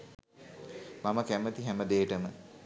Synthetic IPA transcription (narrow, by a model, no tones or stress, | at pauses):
maməkæmət̪iɦæməd̪eːʈəmə